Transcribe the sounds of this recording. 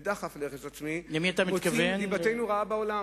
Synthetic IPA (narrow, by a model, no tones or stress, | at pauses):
d̪aχafleχezat͡smilemiat̪amitkavenibatejnuʁaabaola